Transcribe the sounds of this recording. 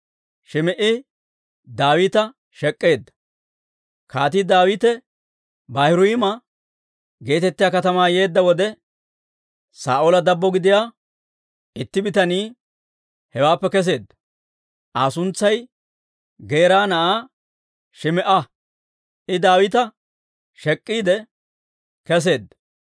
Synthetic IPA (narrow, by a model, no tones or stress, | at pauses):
ʃɪmɛʔɪ | d̪aːwiːt̪ɐ | ʃɛkʼːe̞ːd̪ːɐ̥ | kʰaːt̪id̪aːwiːt̪ɛ | bɐhɪɾʊjɪmɐ | ɡe̞ːt̪ɛt̪ːɪjaːkɐt̪ɐmaːje̞ːd̪ːɐwɔd̪ɛ | saːʔolɐd̪ɐbːɔɡɪd̪ɪjaː | ɪt̪ːɪbɪt̪ɐniː | hɛwaːpːɛkɛs̬e̞ːd̪ːɐ̥ | ʔaːsʊnt͡sːɐj | ɡeːɾaːnɐʔaː | ʃɪmɛʔɐ | ʔɪd̪aːwɪt̪ɐ | ʃɛkʼːiːd̪ɛ | kɛs̬e̞ːd̪ːɐ